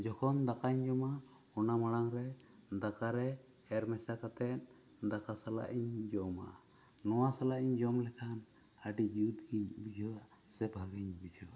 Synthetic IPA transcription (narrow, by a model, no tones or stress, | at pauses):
d͡ʒɔkʰɔnd̪akaɲd͡ʒɔmaɔnaməɽaŋɾɛd̪akaɾɛɛɾmɛsakat̪ɛt̪̚ˀ | d̪akasala̰ʔiɲd͡ʒɔma̰ʔːɔwasalaʔiɲd͡ʒɔmlɛkʰan | aɖid͡ʒud̪ɡiɲbid͡ʒʱɔaʔ | sɛbʱaɡiɲbid͡ʒʰɔ